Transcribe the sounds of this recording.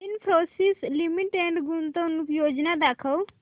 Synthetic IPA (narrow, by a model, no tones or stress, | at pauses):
inpʰɾosislimiʈeɳɖɡunt̪ə̃nukjoːd͡ʒnad̪akʰəw